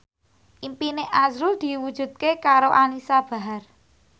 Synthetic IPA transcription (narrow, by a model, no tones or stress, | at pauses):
ʔimpineʔazɾud̪̥i̤wud̥ʒ̥ṳd̪̚kekaɾoʔanisab̥a̤ɦar